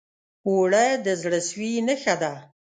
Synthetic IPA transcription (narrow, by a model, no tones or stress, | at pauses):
oɽajd̪əzɽəswinəxad̪a